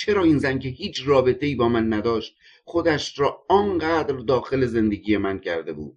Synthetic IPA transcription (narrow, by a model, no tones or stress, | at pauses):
t͡ʃʰe̞ɾɒːiːnzænce̞hiːt͡ʃʰrɒːbe̞t̪ʰe̞iːbɒːmænːæd̪ɒːʃt̪̚ | χo̞d̪æʃɾɒːɒːnɢæːd̪ɾd̪ɒːxe̞le̞ze̞nd̪e̞ɟʲiːje̞mæncʰæɾd̪e̞bṵːd̪̥